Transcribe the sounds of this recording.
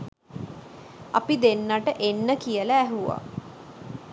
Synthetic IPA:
a̰pid̪enːaʈəʔenːəkijələæɦuʋa̰

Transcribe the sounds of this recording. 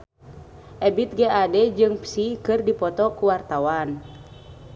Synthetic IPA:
ʔɛbit̪̚ɡɛadɛd͡ʒɨŋpsikɨrdipɔt̪ɔkuwart̪awan

